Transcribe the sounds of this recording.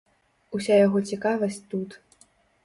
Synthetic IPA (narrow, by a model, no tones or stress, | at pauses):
usʲajaɣɔt͡sʲikavɐsʲt͡sʲt̪ut̪